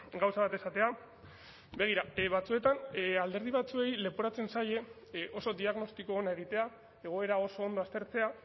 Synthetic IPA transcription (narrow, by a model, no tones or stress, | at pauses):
ɡawsaβat̪e̞sat̪e̞a | be̞ɣ̞iɾaβat͡sue̞t̪anald̪e̞ɾð̞iβ̞at͡sue̞jle̞puɾat͡se̞nsaje̞ | ʔo̞so̞d̪iaɣno̞st̪iko̞ːnae̞ɣ̞it̪e̞a | e̞ɣ̞o̞e̞ɾao̞so̞ːnd̪o̞ast̪e̞ɾt͡se̞a